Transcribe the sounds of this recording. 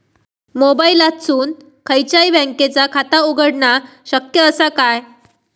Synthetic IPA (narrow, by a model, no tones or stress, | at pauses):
mobailat̪suːn | kʰəjt͡ɕaibɛ̃ŋket͡sakʰat̪auɡəɽɳa | ɕəkjəəsakaj